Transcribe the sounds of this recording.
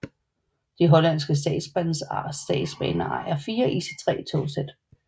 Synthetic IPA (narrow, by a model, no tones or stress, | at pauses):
d̥iɦɒ̽lænsɡ̥əs̬d̥ɛ̰ːd̥sb̥ænsɑsd̥ɛ̰̥ːsb̥ɛ̰ːnɐɑ̈æɐfiːɐʔiːse̥t͡sʰʁɛ̰ːt͡sʰo̝̰ːsed̥